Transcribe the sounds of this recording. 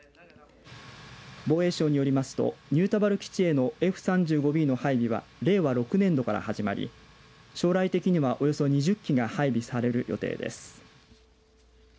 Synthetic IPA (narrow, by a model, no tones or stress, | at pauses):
bo̞ːe̞ːɕo̞ːɲ̟ijo̞ɾʲimasɨ̥t̪o̞̰ɲ̟ɨːt̪abaɾɯ̟kʲi̥t͡ɕie̞no̞e̞ɸɯ̟̥sãɲ̟d͡ʑɨːɡo̞bʲiːno̞haibʲiβa̰ɾe̞ːβaɾo̞kɯ̟nẽ̞nd̪o̞kaɾa̰haʑima̰ɾʲḭ | ɕo̞ːɾait̪e̞kʲiɲ̟iβaʔo̞jo̞so̞ɲ̟iʑɨkʲːiɡahaibʲisaɾe̞ɾɯ̟jʔo̞̰t̪e̞̰ːd̪e̞̰sɨ̥